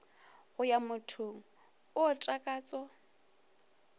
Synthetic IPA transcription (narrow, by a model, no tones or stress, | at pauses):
ɣʊjamʊtʰʊŋ̩ | ʊːtʼakʼaːt͡sʼɔ